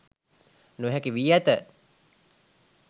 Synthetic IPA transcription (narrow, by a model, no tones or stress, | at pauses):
nuɦɛkiʋijæt̪ə